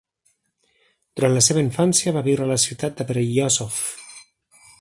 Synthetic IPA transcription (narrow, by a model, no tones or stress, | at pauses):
d̪uɾant̪ləseβəiɱfansjəβaβiwɾələsit̪at̪̚d̪əpeɾejɔsof